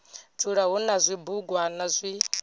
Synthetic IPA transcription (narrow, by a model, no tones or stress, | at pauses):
t͡sʰʼuɺaɦunazʷibuɡwanazʷi